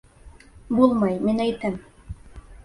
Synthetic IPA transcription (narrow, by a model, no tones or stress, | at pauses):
bulˠmɑjminæjt̪ɘ̆m